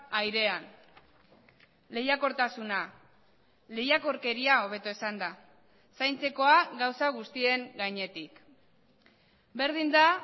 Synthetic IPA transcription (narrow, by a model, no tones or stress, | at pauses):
ajɾe̞an | le̞jako̞ɾt̪asuna | le̞jako̞ɾke̞ɾiao̞β̞e̞t̪oesand̪a | sajnt͡se̞ko̞aɡawsaɣust̪ie̞ŋɡaɲe̞t̪ik | be̞ɾð̞ind̪a